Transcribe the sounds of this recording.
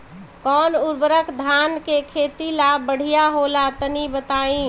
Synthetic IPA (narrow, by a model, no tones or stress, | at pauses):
kɔnuɾbəɾəkʰd̪ʱankekʰet̪ilabəɽ̤ijaɦolat̪ənibət̪aĩ